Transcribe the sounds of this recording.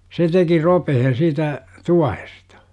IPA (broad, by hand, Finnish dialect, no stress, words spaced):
se teki ropehen̞ siːtæ tuɑhestɑ̥